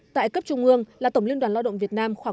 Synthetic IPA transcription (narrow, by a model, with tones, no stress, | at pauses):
t̪a̰ː˧˨jkə˦˥p̚t͡ɕʊ˧ŋ͡mʔɨ˧əŋlaː˨˩t̪ə˧˩wŋ͡mli˧ənɗwaː˨˩nla˧ɗə̰˧˨ŋ͡mvi˨˩ət̚naː˧mxwaː˧˩